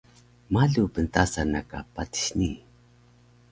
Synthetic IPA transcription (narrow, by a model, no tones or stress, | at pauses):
maɮupənt̪asanaka̰pati̥ɕni